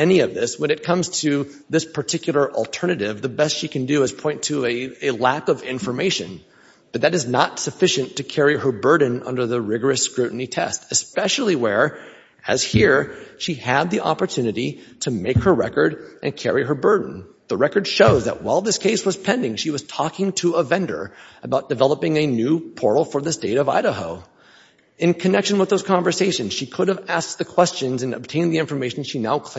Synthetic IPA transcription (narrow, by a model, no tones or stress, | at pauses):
ɛniʌvðɪswə̃ñɨt̚kʰʌ̃mz̥tʰɨ | ðɪspʰə˞tʰɪkjl̩ˠə˞ʔl̩ˠtʰɜ˞nɨɾɪvðɨbɛstʃikʰɨ̃ndɨɨz̥pʰɔ̃ɪ̃ntʰɨɨɨlækʌvɪ̃ɱfə˞meɪʃɨ̰̃n | b̥ʌt̪̚ðɨɾɨznətsɨfɪʃɨ̃ntʰɨkʰɛɹiə˞bɜ˞dⁿn̩ʌ̰̃ndə˞ðɨɹɪɡə˞ɨskɹʉʔn̩itʰɛ̰stɨspɛʃl̩ˠiwə˞ | ɨ̰z̥hiɹʃiɨd̪̚ðiʔɑ̰pə˞tʰʉnɨɾiɾɨmeɪkhə˞ɹɛ̰kə˞ɾʔɨ̰̃nkʰɛ̰ɹiə˞bɜ˞dⁿn̩ðəɹɛkə˞d̥ʃoʊzðə̰ʔ̚waɪlˠðɪskʰeɪswʌz̥pʰɛ̃ndɪ̃ŋʃiwʌz̥tʰɔkɪ̃ŋtʰəəvɛ̃ndə̰˞əbaʊt̚d̥ɨvɛlˠəpɪ̃ŋɨnʉpʰɔɹɾl̩ˠfə˞ðɨsteɪɾʌva̰ɪɾəhoʊ | ɨ̃nkʰɨnɛkʃnwəðoʊz̥kʰɑ̃ɱvə˞seɪʃɨ̃nz̥ʃikʰʊɾɨvæs̚ðɨkʰw̥ɛst͡ʃɨ̃nzɨ̃nɨ̰b̚tʰẽɪ̃nðiɪ̃ɱfə˞meɪʃn̩ʃinaʊkʰ